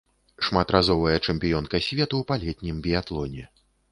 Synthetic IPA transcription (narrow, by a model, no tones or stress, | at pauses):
ʂmat̪rʔazɔvɐjɐt͡ʂɛmʲpʲijɔnkɐsʲvʲɛt̪uwpalʲɛt̪ʲnʲimbʲijat̪lˠɔnʲɛ